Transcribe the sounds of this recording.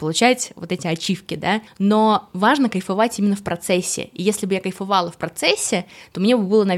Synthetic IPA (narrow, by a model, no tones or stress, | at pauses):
pəlˠʊt͡ɕætʲvot̪ɛtʲɪɐt͡ɕifkʲɪd̪anovaʐnəkəjfɐvatʲimʲɪnːəfpɾɐt̪sɛsʲːɪ̰ijesʲlʲɪbɨjakəjfɐvɑlˠəfpɾɐt̪sɛsʲːɪt̪omnʲebɨbɨlˠənɐ